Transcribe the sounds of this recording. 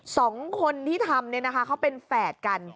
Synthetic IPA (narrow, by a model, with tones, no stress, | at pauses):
sɔː˩˦ŋkʰo˧nt̪ʰiː˥˩t̪ʰa˧mni˥˩ɐna˦˥kʰa˦˥kʰa˦˥wpe˧nfɛː˨˩t̪̚ka˧n